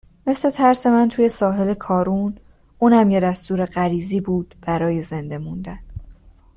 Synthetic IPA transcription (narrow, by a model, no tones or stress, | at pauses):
me̞sle̞t̪ʰæɾse̞mænt̪ʰuːje̞sɒːɦe̞le̞kʰɒːɾuːn | uːnæmjed̪æst̪uːɾe̞ɢæɾiːziːbuːd̪̥b̥æɾɒːje̞ze̞nd̪e̞mund̪æn